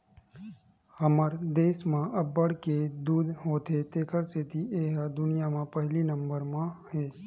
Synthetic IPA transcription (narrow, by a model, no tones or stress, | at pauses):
həməɾd̪eːsmãʔəbːəɽked̪uːd̪ʱɦoːt̪ʰet̪eːkʰəɾset̪ʰiʔeːɦəd̪ʊnijamãpəɦlinəmbəɾmãheː